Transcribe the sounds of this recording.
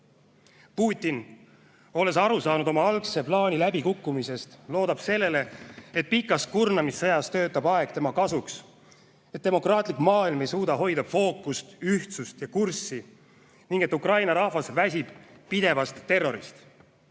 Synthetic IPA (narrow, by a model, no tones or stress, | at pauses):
puːt̪ʲːˑin | o̞le̞sɑɾusɑːnud̪o̞mɑɑlkse̞plɑːnʲilæbikukːˑumise̞st̪lo̞ːd̪ɑb̥se̞lːe̞le̞et̪̚pikːˑɑs̚kurnɑmisːejɑst̪ø̞ːt̪ːˑɑbɑe̞ɡ̥t̪e̞mɑkɑsuks | et̪̚d̪e̞mo̞krɑːt̪ˑlikmɑːilmejsuːd̪ɑɦo̞jd̪̥ɑfo̞ːkːust̪yht̪sust̪jɑkursi | niŋɡ̥e̞t̪ːˑukrɑjnɑɾɑhvɑsvæs̬ʲib̥ː | id̪e̞vɑst̪ːe̞ro̞ɾist̪